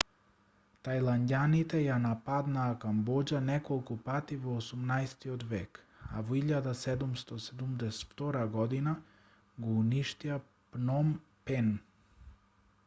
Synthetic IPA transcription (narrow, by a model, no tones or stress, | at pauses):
t̪ajlˠand̪ʲanit̪ejanapad̪nakambod͡ʑanekolˠkopaːt̪iʋoosamnajst̪iod̪ʋeːk | a̰ʋiʎad̪ased̪umst̪osed̪umd̪ese̥t̪ft̪oɾaɡod̪ina | ɡouniʃt̪ia | pnom | pen